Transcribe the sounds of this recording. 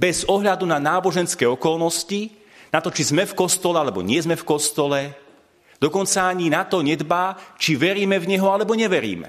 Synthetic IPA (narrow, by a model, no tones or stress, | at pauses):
bɛzɔɦʎad̪unanaːbɔʒɛnskɛːɔkɔlnɔsci | nat̪ɔt͡ʃizmɛfkɔst̪ɔlɛalɛbɔ̰ɲɪɛzmɛfkɔst̪ɔlɛ | d̪̥ɔkɔnt͡saːɲinat̪ɔɲɛd̪baːt͡ʃiʋɛɾiːmɛvɲɛɦɔalɛbɔɲɛʋɛɾḭːmɛ̰